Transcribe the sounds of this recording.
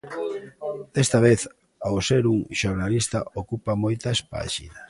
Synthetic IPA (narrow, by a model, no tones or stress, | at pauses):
d̪̥est̪ɐβ̞eθ | aoseɾuŋʃoɾnalist̪ɐokupamojt̪aspa̰ʃḭnas